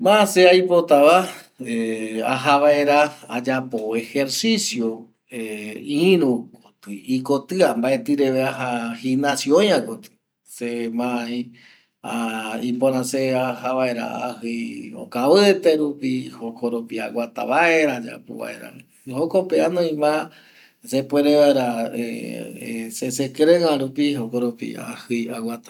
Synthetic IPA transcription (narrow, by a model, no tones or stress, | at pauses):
mãaseajpot̪aβa | ea̰ɦaβaeɾaad͡ʒapoe̞he̞ɾsisjo | eĩɾũkot̪ɨikot̪ɨambaʔet̪ɨɾeʋeaɦahinãsiõjãkot̪ɨ̥ | semãĩ | aĩmpõɾ̃ãseahaβae̞ɾa̰a̰hɨjo̰kaβɨet̪eɾupihokoɾopiawat̪a̰βaeɾad͡ʒa̰pṵβa̰ḛɾa̰ | hokopeanõĩmã | sepweɾeʋaeɾae | sesekɾeŋãɾupiɦokoɾopḭa̰hɨjawat̪ḁ